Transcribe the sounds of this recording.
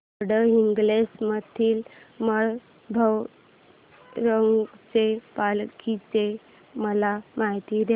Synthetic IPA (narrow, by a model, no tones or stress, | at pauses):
ɽəiŋɡlesmət̪ʰiːlməɭ | bʱəw | ɾəŋɡt͡sepalkit͡se | məlamaɦit̪iɾe